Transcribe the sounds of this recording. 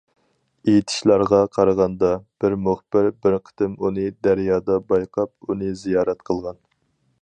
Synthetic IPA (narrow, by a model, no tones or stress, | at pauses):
ejit̪ʰɪ̥ʃlˠɑɾʁɑqʰɑɾəʁɑnd̪ɑb̥ɪɾmuχbɪɾbɪɾqʰə̥t̪ɪmunɨd̪æɾjɑːd̪ɑbɑjqʰɑp̚unɨzijɑːɾɛt̪qʰəlˠʁɑn